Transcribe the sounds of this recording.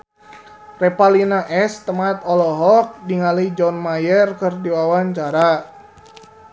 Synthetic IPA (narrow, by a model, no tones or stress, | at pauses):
rɛpalinaʔɛst̪əmat̪ɔlɔɦɔk̚diŋaləid͡ʒɔnmajərkərdiwawaɲt͡ʃaɾa